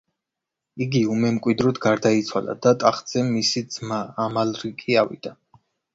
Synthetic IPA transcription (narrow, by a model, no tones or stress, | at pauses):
iɡiumɛmkʼwid̪ɾɔd̪ɡaɾd̪ait̪sʰwala̰d̪at̪ʼaχd̪z̥ɛmisid̪z̥maːmalɾikʼiavḭd̪̥a